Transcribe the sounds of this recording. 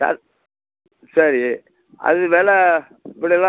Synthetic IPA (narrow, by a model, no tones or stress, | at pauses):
a̰ | sɐɾi | ʔɐ̰ðɯʋeːlɛ | pːɐɽɪlã